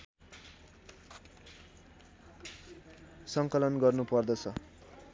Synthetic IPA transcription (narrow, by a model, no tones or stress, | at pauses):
sʌŋkʌlʌnɡʌrnupʌrd̪ʌt͡sʰʌ